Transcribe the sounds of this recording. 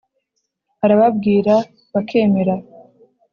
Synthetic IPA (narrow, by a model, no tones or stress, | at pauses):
haɾaβabɡiːɾa | βakʰe̞ːme̞ɾa